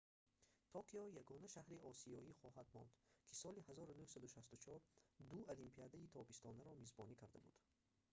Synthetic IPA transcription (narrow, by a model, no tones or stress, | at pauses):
t̪ʰɔqʰiɔjaɡɔnaʃahɾiɔsiɔiχɔhad̪mɔ̰nd̪kʰisɔlihazɔɾunuhsad̪uʃast̪ut͡ʃʰɔɾd̪ualimpʰiad̪ait̪ʰɔbist̪ʰɔnaɾɔmizbɔnikʰaɾd̪abṵd̪̥